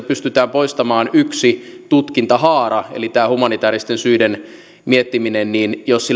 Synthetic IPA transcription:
pyst̪yt̪æːmpoist̪ɑmɑːnyksi | t̪ut̪kint̪ɑhɑːrɑḛlit̪æːhumɑnit̪æːɾist̪ensyiden | miet̪ːiminenniːnjossil

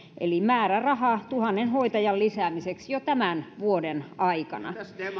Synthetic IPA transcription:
ʔḛlimæːrærɑhɑt̪uhɑnːenhoit̪ɑjɑllisæːmiseksjot̪æmænʋuodenɑikɑ̰nɑ̰

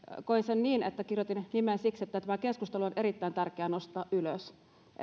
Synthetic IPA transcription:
koinsenniːnḛt̪ːækirjot̪innimensikset̪ːæt̪æmækeskust̪eluonʔeɾit̪ːæint̪ærkeæːnost̪ˑɑːʔʔyløs

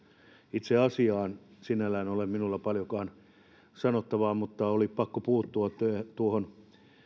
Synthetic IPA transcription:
it̪seɑsiɑːnsinælæːnolemminulːɑpɑljokɑːn | sɑnot̪ːɑʋɑːmut̪ːɑolippɑkːopuːt̪ːuɑt̪ːøt̪uohon

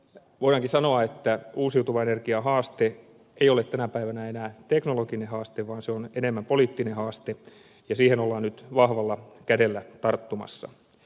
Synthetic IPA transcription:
ʋoiɑŋkisɑnoɑet̪ːæuːsiut̪uʋɑenerkiɑɦɑːst̪e | eijolet̪t̪ænæpæiʋænæenæːt̪eknolokinehɑːst̪eʋʋɑːnseonenemːæmpoliːt̪ːinehɑːst̪e | jɑsiːhenolːɑːnnyt̪ʋɑhʋɑlːɑkædelːæt̪ɑrt̪ːumɑ̰sːɑ̰

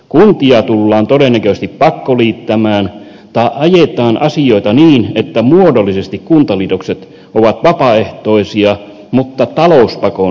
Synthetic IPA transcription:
kunt̪iɑt̪ulːɑːnt̪odenːækøˑs̆t̪ippɑkːoliːt̪ːæmæːn | t̪ɑˑeʔʔɑjet̪ɑːnʔɑsioˑit̪ɑniːnet̪ːæmuodolːisest̪ikkunt̪ɑliːt̪okset̪ | oʋɑt̪ʋɑpɑeht̪oisiɑ | mut̪ːɑt̪ɑlouspɑko

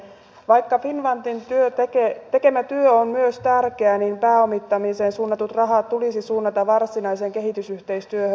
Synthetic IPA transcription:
ʋɑjkːɑfinʋɑnt̪int̪yøt̪eket̪e̞ke̞mæt̪yøommyøst̪ærkeæniːmpæːomit̪ːɑmiseːnsuːnːɑt̪ut̪rɑɦɑːt̪t̪ulisisuːnːɑt̪ɑʋɑrsinɑise̞ːŋke̞ɦit̪ysyht̪e̞ist̪yøhø

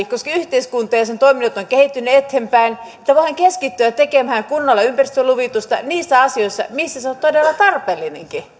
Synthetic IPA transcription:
koskɑyht̪eiskunt̪ɑjɑsent̪oiminot̪ːoŋkehit̪ːynːyet̪hempæinĕ̥t̪ːæʋoihɑŋkeskit̪ːyætt̪ekemæhæŋkunːɑlːɑympærist̪øluʋit̪ust̪ɑ̰niːsːæɑsioisːɑ̰misːæseont̪odelːɑt̪ɑrpelːinḛŋki

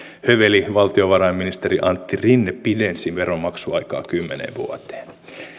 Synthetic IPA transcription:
høʋeliʋɑlt̪io̞ʋɑɾɑjmːinist̪eɾiʔɑnt̪ːirinːepidensinʋeɾo̞mːɑksuɑjkɑ̰ːkymːenḛʋʋṵot̪ˑe̥ːn

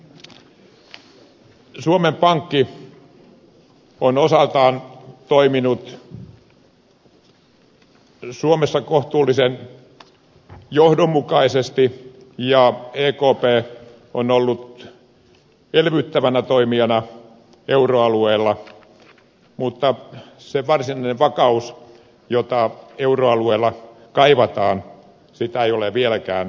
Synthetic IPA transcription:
suomempɑŋkːi | onosɑlt̪ɑːnt̪oiminut̪ | suomesːɑkoht̪uːlːisen | johdomːukɑisest̪i | jɑeːkoːpeː | onolːut̪ | elʋyt̪ːæʋænæt̪oimiɑnɑ | euroɑlueːlːɑ | mut̪ːɑseʋɑrsinɑineʋʋɑkɑus | jot̪ɑeuroɑlueːlːɑ | kɑiʋɑt̪ɑːn | sit̪æeioleʋielækæ̰ːn

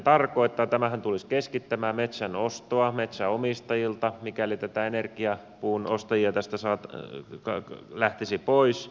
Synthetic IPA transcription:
t̪ɑrkoit̪ːɑːt̪æmæhænt̪uliskeskit̪ːæmæːmet̪sænost̪oɑmet̪sæomist̪ɑjilt̪ɑmikælit̪æt̪æenerkiɑ | puːnost̪ɑjiɑt̪æst̪æsɑːt̪kɑlæht̪isipois

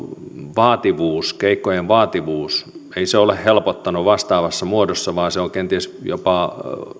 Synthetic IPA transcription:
ʋɑːt̪iʋuːskeikːojeʋʋɑːt̪iʋuːseiseolehhelpot̪ːɑnuʋɑst̪ɑːʋɑsːɑmuodosːɑʋɑːseoŋkent̪iesjo̰pɑ

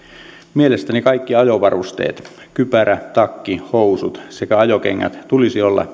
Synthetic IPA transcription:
mielest̪ænikɑikːiɑjoʋɑrust̪ḛːt̪ | kypæɾæt̪ɑkːihousut̪sekæɑjokeŋːæ̰t̪t̪ulisiolːɑ̰

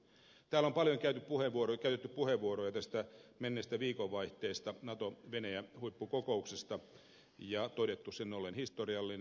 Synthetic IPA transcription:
t̪æːlompɑljoŋkæyt̪yppuheʋʋuorokæyt̪et̪ːyppuheʋʋuorojɑt̪æst̪æmenːest̪æʋiːkoʋːɑiht̪eːst̪ɑnɑt̪oʋenæjæhuipːukokouksest̪ɑ | jɑt̪odet̪ːussenːolenhist̪oriɑlːin

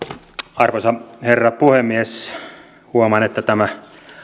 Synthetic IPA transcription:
ɑrʋosɑherːɑpuhemːies | huomɑnet̪ːæt̪æmæ

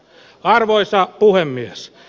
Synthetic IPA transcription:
ɑrʋoisɑpuhemːies

